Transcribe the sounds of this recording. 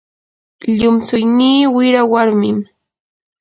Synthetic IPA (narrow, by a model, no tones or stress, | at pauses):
ʎʊmt͡sʊjniːwɪɾawaɾmɪm